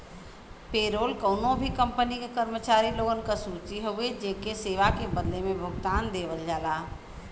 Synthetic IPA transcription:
peːɾoːlkəʊnõbʱikə̃mpənikekəɾmət͡ʃaːɾiloːɡənkasuːt͡ʃiɦoɡed͡ʒeːkeseːʋakebəd̪lemẽbʱʊɡt̪aːnd̪eːʋəld͡ʒaːlaː

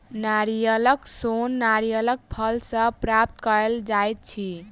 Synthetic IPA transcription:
naɾijələksonːaɾijələk̚pʰəlsə̃pɾap̚t̪kəɾeld͡ʒajt̪̚t͡ʃʰi

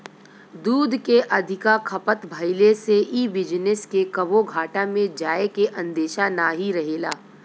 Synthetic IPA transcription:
d̪uːd̪ʱkeʔɐd̪ʱɪkakʰɐpət̪bʱəɪleseʔiːbɪd͡ʒnəskekɐboɡʱaːʈamẽd͡ʒaːekeʔɐ̃nd̪eːʃanaːɦiɾɐɦeːlaː

